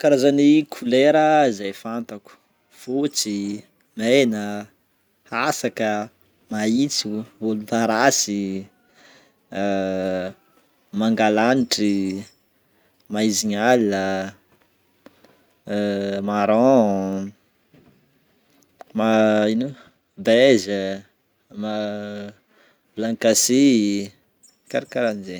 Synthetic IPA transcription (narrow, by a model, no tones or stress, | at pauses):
kaɾazanikʰuleɾəizajfant̪aku̥ | fut͡si | menə | asakə | mait͡suvolut̪aɾasi | maŋɡalaniʈ͡ʂi | maiziɲalə | maɾɔ̃ | mainu | bezə | ma | blaŋkasi | kaɾikaɾanize